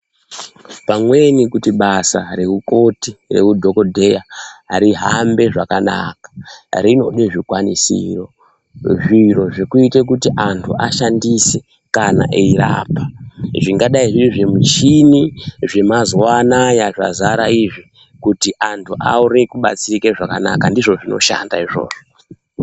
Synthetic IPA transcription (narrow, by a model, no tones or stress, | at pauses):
pamwe̞nikutiɓasa̰re̞uko̞tire̞̰kudʱo̞kodʱe̞jaaɾiɦambe̞ʐakana̰kḁrino̞neʐikwanisḭro | ʐiroʐekuitek̬utiʔantʰuʔaʃandise̞ | kana̰ʔeiɾa̰ːpaʐiŋɡaɗaiʐiʐemut͡ʃiniʐe̞mazwanajaʐa̰zaɾaiʐi | kutiʔantʰuʔauɾikuɓa̰t͡sikeʐakanakandiʐo̞ʐino̞̰ʃa̰ndaiʐo̞̰ːʐo